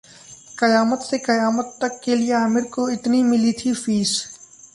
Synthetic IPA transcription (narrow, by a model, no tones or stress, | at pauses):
kɐjaːmət̪sekɐjaːmət̪ːɐkːelieaːmɪɾkoɪt̪nimɪlit̪ʰifiːs